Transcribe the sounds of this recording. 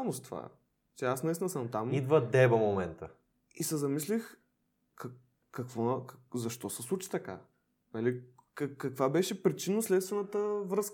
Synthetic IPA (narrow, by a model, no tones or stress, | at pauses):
nost̪va̰ | t͡ʃɛasnɛisnəsamt̪amid̪vəd̪ɛbɐmomɛnt̪ə | isɛzɐmislix | kɐ | kɐkvɔkzɐʃt̪ɔsɛslˠut͡ʃi̥t̪ɐka̰ | nalikkːɐkvabɛʃɛpɾit͡ʃinəslɛt̪st̪vɛnət̪əvɾəsk